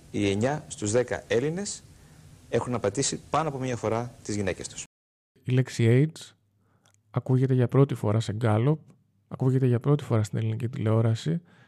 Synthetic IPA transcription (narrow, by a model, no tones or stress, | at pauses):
ie̞ɲɐst̪uzðekɐ̰e̞line̞s | e̞xunɐpɐt̪isipɐnoɐpo̞mɲɐfo̞ɾɐt̪izʝine̞ce̞st̪u̥s | ile̞ksiejd͡z | ɐkuʝe̞t̪e̞ʝɐpɾo̞t̪ifo̞̰ɾɐseɡɐlo̞p̚ | ɐkuʝe̞t̪eʝɐpɾo̞t̪i̥fo̞ɾɐst̪ine̞linicit̪ile̞o̞ɾɐsi